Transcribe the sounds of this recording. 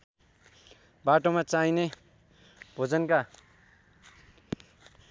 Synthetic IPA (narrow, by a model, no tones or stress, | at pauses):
baʈomat͡saine | bʱod͡zʌnka